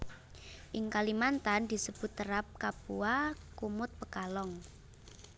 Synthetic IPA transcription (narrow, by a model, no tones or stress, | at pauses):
ʔɪŋkalimant̪and̪̥i̤səb̥ʊ̤t̪ːəɾap̚kapuakumʊt̪̚pəkalɔŋ